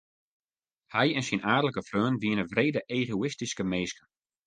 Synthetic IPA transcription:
hɛjɛnsinʔaːdələkəfrøːnʋiənəvreːdəʔeːɣoɪstiskəmeːskə

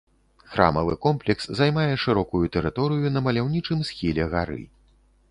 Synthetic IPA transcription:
xɾa̰mɐvɨ̰kɔmplʲɛkszajmajɛʂɨɾɔkujut̪ɛɾɨt̪ɔɾɨjunɐmɐlʲawnʲit͡ʂɨmsxʲilʲɛɣaɾɨ̰

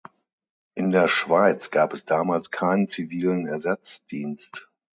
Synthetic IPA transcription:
ʔɪndeːɐʃv̥aɪt͡sɡ̥aːpɛsd̥aːmaːlskʰaɪnənt͡siviːlənɛɐzat͡sd̥iːnst

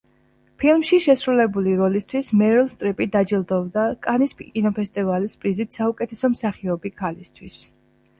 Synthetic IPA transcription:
pʰilˠmʃiʃɛsɾulɛbuliɾɔlist̪ʰwismɛɾɛlˠst̪ʼɾipʼid̪ad͡ʒilˠd̪ɔvd̪akʼanispkʼinɔpʰɛst̪ʼivalispʼɾizit̪ʰsaukʼɛt̪ʰɛsɔmsaχiɔbikʰalist̪ʰwis

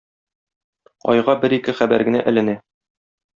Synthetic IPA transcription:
ɒ̰jʁɑbɘɾikɘχæbæɾɡɘ̆næ̰ʔɘ̆lɘ̆næ

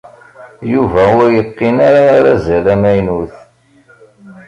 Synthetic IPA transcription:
juvæwæjəqːinaɾaɾæzælæmæjnuθ

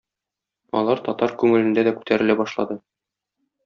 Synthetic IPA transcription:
ɒ̰lˠɑɾt̪ɒt̪ɑɾkʉŋɘ̆lɘ̆nd̪æd̪ækʉ̥t̪æɾɘ̆læbɒʃlˠɑ̰d̪ɤ

